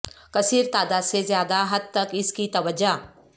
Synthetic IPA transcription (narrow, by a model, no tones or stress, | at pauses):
kɐsiːɾt̪aːd̪asezjaːd̪aɦɐd̪̚t̪ɐkɪskit̪ɐʋəd͡ʒaː